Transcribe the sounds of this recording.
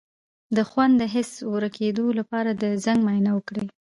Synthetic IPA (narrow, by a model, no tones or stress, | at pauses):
d̪əxwand̪d̪əɦɪswəɾakʰed̪olapɑɾad̪əzaŋɡmɑjnawəkɽe